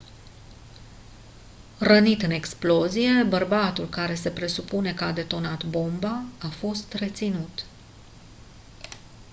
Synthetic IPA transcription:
rənit̪ɨne̞ksplo̞zije̞bərbat̪ulkaɾe̞se̞pɾe̞supune̞kəad̪e̞t̪o̞nat̪bo̞mbaːfo̞st̪re̞t̪sinut̪

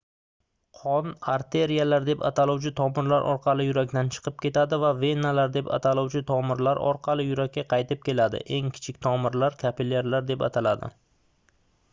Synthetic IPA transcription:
qʰɒnaɾt̪ʰe̞ɾijalaɾd̪e̞pa̰t̪ʰalɒwt͡ʃʰɪt̪ʰɒmɪɾlaɾʔɒ̰ɾqʰɑlˠɪjʊɾakʲt̪ant͡ʃʰɨ̥qʰɨp̚kʲe̞t̪ad̪ɪvave̞nːalaɾd̪e̞pa̰t̪ʰalˠɒwt͡ʃʰɪt̪ʰɒmɪɾlaɾɒ̰ɾqʰɑlˠɪjʊɾak̚ʲːaqʰɑjt̪ɪp̚kʲʰe̞lad̪ɪ̰ʔe̞ŋkʲʰɪ̥t͡ʃʰɪk̚ʲt̪ʰɒmɪɾlaɾkʲʰapilːe̞ɾlaɾd̪e̞pa̰t̪ʰalad̪ɪ̰

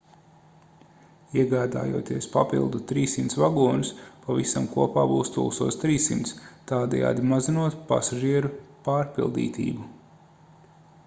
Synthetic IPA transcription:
iɛɡaːd̪a̰ːjṵɔt̪iɛspapḭlˠd̪ut̪ɾiːsimt̪svaɡuɔnuspavisamkuɔpaːbuːst̪ṵlˠsuɔst̪ɾiːsimt̪st̪aːd̪ɛ̰ja̰ːd̪imazinuɔt̪pa̰saʒiɛɾupaːɾpilˠd̪ḭːt̪ʲḭːbu

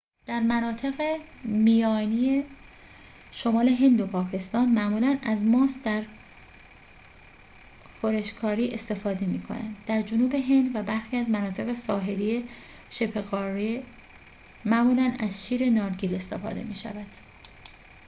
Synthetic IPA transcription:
d̪̥æɾmænɒːt̪ʰe̞ɣemijɒːnije | ʃo̞mɒːle̞ɦe̞nd̪o̞pʰɒːcʰe̞st̪ɒːnmæʔmulænæzmɒːsd̪æɾ | xoɾeʃkʰɒːɾiːʔest̪e̞fɒːd̪e̞miːkʰo̞̰næ̰nd̪ːæɾd͡ʒonuːbe̞ɦe̞nd̪væbæɾxiːæzmænɒːt̪ʰe̞ɣe̞sɒːɦe̞lie̞ | ʃe̞pʰe̞ɣɒːɾe | mæʔmuːlænæzʃiːɾe̞nɒːɾɟiːle̞st̪e̞fɒ̰ːd̪e̞̰miːʃæ̰væd̪̥

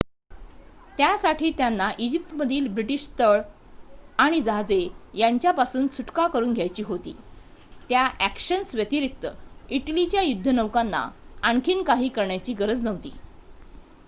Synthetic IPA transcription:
t̪jasaʈʰiːt̪janːaʔid͡ʑip̚ʈ̪məd̪ʱiːlbɾiʈiɕt̪əɭ | aɽ̃id͡zad͡zejaɲt͡ɕjapasuːnt͡sʰuʈkakəɾuːnɡʱjajt͡ɕiːɦot̪ḭːt̪jaʔækɕənsʋjət̪iɾik̚t̪əiʈlit͡ɕjajud̪ʱːənəʋkanːa̰aɳkʰiːnkaɦiːkəɾɳjat͡ɕiːɡəɾəd͡znəʋt̪ḭː

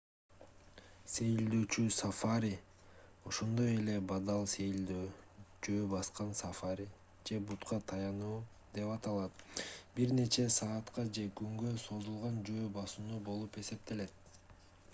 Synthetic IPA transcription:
se̞jild̪øːt͡ʃysafaɾʲi | o̞ʃo̞nd̪o̞je̞le̞bɑd̪ɑlˠse̞jld̪øːd͡ʒø̞ːbɑsqɑnsɑfaɾʲi | d͡ʒe̞but̪qɑt̪ʰɑjɑnuː | d̪e̞pɑt̪ɑlˠɑt̪biɾne̞t͡ʃe̞sɑːt̪qɑd͡ʒe̞kyŋɡø̞so̞zulˠʁɑnd͡ʒø̞ːbɑsunubo̞lˠupe̞se̞p̚t̪e̞le̞t̪̚

